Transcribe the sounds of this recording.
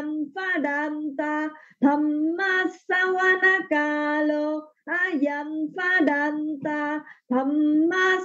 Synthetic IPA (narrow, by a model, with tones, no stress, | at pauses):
mfa˦da˧nt̪a˧t̪ʰa˨˧mːa˦sa˦wa˦na˦ka˧lo˧a˦ja˨mfa˦da˧nt̪a˧t̪ʰɐ˨mːa˦